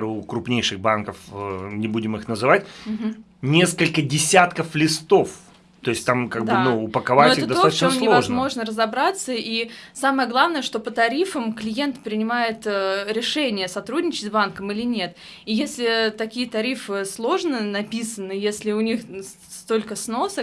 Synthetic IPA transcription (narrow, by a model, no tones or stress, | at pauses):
ɾkɾʊpnʲejʂɨɣbankəfnʲɪbudʲɪmɨxnəzɨvat̚ʲ | nʲe̞skəlʲkədʲɪsʲat̪kəflʲɪst̪o̞f | t̪o̞ɪsʲt̪amkaɡ̚b̪d̪ɨnuʊpəkɐvoaɛɪəd̪ɐoat͡ɕəmsnʲɪovɐzmo̞ʐnərəzɐbɾat̪səisaməjəɡlˠavnəjəʂt̪o̞pət̪ɐɾʲifəmklʲɪje̞nt̪pɾʲɪnʲɪmajɪt̪əɾʲɪʂɛnʲɪjəsɐt̪ɾudʲnʲɪt͡ɕɪtʲzbankəmilʲɪnʲe̞t̪ | ijesʲlʲɪt̪ɐkʲijət̪ɐɾʲifɨslˠo̞ʐnɨnɐpʲisənːɨjesʲlʲɪʊnʲix | st̪o̞lʲkəsno̞sək